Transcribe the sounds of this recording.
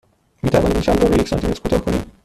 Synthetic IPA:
miːt̪ʰævɒnd̪inʃæld̪ɒːɾojecsɒ̰nt̪ʰime̞t̪ɾkʰuːt̪ɒːhkʰonḭːm

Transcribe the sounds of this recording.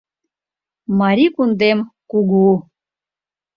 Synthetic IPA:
mɑɾʲikund̪emkuɡu

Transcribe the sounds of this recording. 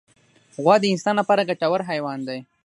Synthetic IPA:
ɣwɑd̪əɪnsɑːnlapɑɾaɡat͡ʃawaɾɦajwɑnd̪aj

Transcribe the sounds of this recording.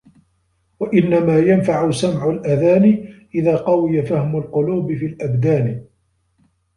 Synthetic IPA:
waʔɪnːamaːjanfaʕʊsamʕʊlʔaðaːnɪʔɪðaːqɑwɪjafahmʊlqʊluːbɪfiːlʔabd̪aːn

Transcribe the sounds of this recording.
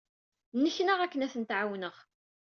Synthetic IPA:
nːəçnəʁækːənæθənt̪ʕawnəʁ

